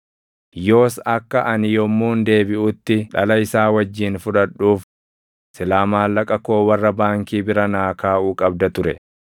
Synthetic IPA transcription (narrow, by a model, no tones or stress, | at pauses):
jo̞ːsɐkːɐʔɐnɪjɔmːuːnd̪e̞ːbɪʔʊt̪ːɪᶑɐlɐɪsaːwɐd͡ʒːiːnfʊᶑɐᶑːuːf | sɪlaːmaːlːɐkʼɐkoːwɐrːɐbaːŋkiːbɪɾɐnaːkaːʔuːkʼɐb̚d̪ɐt̪ʊɾɛ